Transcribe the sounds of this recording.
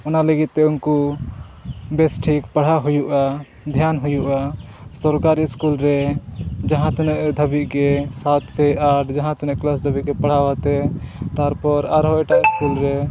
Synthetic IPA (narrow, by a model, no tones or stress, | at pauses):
ɔnaləɡit̪̚ːɛunku | bɛsʈʰikpaɽ̤aɦujuʔa | d̪ʱjanɦujuʔa | sɔɾkaɾiskulɾɛd͡ʒaɦãt̪ɔnɛʔd̪ʱəbiʔɡɛsat̪pʰɛaɖd͡ʒaɦãt̪ɔnɛ̃ʔklas̬d̪ʱəbiʔɡɛpaɽ̤awat̪ɛt̪aɾpɔɾaɾɦɔɛʈaʔiskulɾɛ